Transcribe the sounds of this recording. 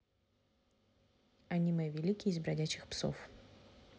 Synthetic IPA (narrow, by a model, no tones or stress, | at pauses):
ɐnʲimɐjvʲɪlʲikʲɪjɪzbɾɐdʲæt͡ɕːɪxpso̰f